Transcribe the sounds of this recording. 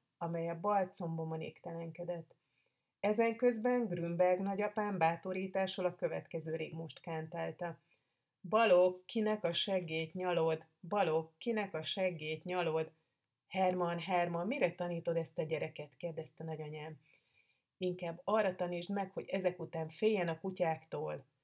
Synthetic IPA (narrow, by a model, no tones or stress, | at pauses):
ɒmɛjɛbɒlt̪so̞mbomonḛːkt̪ɛlɛŋkɛd̪ɛt̪ː | ɛzɛŋkø̞zbɛŋɡrymbɛrɡnɒɟɒpaːmbaːt̪o̞ɾiːt̪aːʃolɒkø̞vɛ̰t̪kɛzøːɾḛːɡmo̞ʃt̪kaːnt̪aːlt̪ɒ | bɒlokːinɛkɒʃɛɡːeːt̪ɲɒlo̞d̪ | bɒlo̞kːinɛkɒʃɛɡːeːt̪ɲɒlo̞d̪ | hɛrmɒnɦɛrmɒmmiɾɛt̪ɒniːt̪o̞d̪ɛst̪ɒɟɛɾɛkɛt̪keːrd̪ɛst̪ɛnɒɟɒɲaːm | iŋkaːbːɒrːɒt̪ɒniːʒd̪mɛkho̞̰ɟɛzɛkut̪aːɱfeːjɛnɒkucaːkt̪oːl